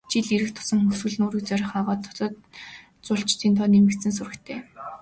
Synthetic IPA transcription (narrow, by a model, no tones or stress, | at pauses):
t͡ɕiɮiɾɘ̆kt̪ʰʊ̥sɞ̆ŋxɵswɘ̆ɮnoːɾiːk̚t͡sœɾʲɪ̆χaʁɔːt̪ʰːɔ̥ɮɞ̆t̪̚ | t͡sʊɬt͡ɕt̪ʰiːnt̪ʰɔːnimɘ̆sɘ̆ns̬ʊrɘ̆kt̪ʰeː